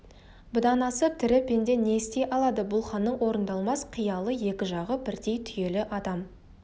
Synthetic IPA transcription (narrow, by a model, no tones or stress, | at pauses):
bɪd̪ɑnɑsət̪ʰɪɾɪpʰend̪e̞neɪst̪e̞jʔɑlˠɑd̪əbʊlˠχɑnːəɴwo̞ɾənd̪ɑlˠmɑsqʰijɑlˠəje̞kʲɪʒɑʁəbɪɾd̪e̞jt̪ʰʏje̞lɪʔɑd̪ɑm